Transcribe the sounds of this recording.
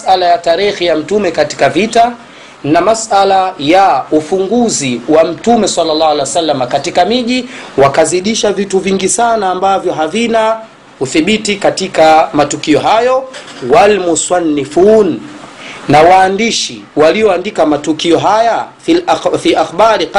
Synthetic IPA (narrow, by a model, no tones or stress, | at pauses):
salajataɾixijam̩tumɛkati̥kavita | namasalajaufuŋɡuziwam̩tumɛsalːalːahalɛwasalːamakatikamiʄiwakaziɗiʃavituviŋɡisanaːmbavjɔɦavina | uθiɓitikatikamatukiɔɦajɔ | walmusanːifuːnː | awaːndiʃi | waliɔandikamatukiɔɦajafilfiʔaxɓaɾi